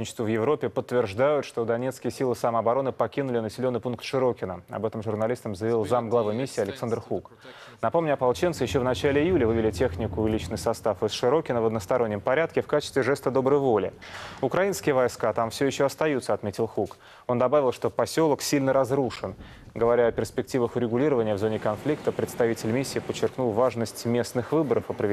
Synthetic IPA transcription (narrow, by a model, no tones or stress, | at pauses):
nʲɪt͡ɕɪ̥st̪uvjɪvɾopʲːɪpət̪ːvʲɪrʐd̪ajʊt̪ʂt̪o̞d̪ɐnʲe̞t̪skʲɪjəsʲilˠɨsaməɐbɐɾo̞nɨpɐkʲinʊlʲɪnəsʲɪlʲo̞nːɨjpunkt̪ʂɨɾo̞kʲɪnəɐ̰bɛt̪əmʐʊrnɐlʲist̪əmzəjɪvʲilˠzamɡlˠɐvɨmʲisʲːɪːɐlʲɪksand̪rxuk | nɐpo̞mnʲʊɐpɐlˠt͡ɕent̪sɨjɪɕːovnɐt͡ɕælʲɪɪjulʲəvɨvʲɪlʲɪtʲe̞xnʲɪkʊɪlʲit͡ɕnɨjsɐst̪afɨsʂɨɾo̞kʲɪnəvəd̪nəst̪ɐɾo̞nʲːəmpɐɾʲat̪kʲɪfkat͡ɕɪ̥st̪vʲɪʐɛst̪əd̪o̞bɾəjvo̞lʲɪ̰ʊkɾɐinskʲɪjəvɐjskat̪amfsʲjɪɕːoɐst̪ɐjut̪səɐt̪mʲetʲɪlˠxuk | o̞nd̪ɐbavʲɪlˠʂt̪o̞pɐsʲo̞lˠəksʲilʲnəɾɐzɾuʂɨn | ɡəvɐɾʲaɐpʲɪrspʲɪktʲivəxʊɾʲɪɡʊlʲiɾəvənʲɪjəvzo̞nʲɪkɐnflʲikt̪əpɾʲɪt̪st̪ɐvʲitʲɪlʲmʲisʲːɪːpət͡ɕːɪrknulˠvaʐnəsʲtʲmʲe̞snɨxvɨbəɾəfɐpɾəɪ